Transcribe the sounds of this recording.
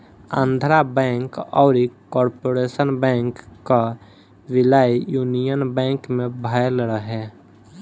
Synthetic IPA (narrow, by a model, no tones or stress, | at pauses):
ə̰̃nd̪ʱɾabɛ̃ːŋkɔːɾikɔːɾpoːɾesənbɛ̃ːŋkːa | ʋɪlajjunijənbɛ̃ːŋkmẽbʱajlɾəɦɛ